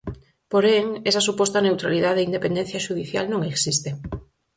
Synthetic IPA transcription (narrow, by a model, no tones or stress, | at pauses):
poɾeŋesasupɔst̪anewt̪ɾaliðaðeind̪epend̪en̟θjaʃuð̞iθja̰lnõŋeksist̪e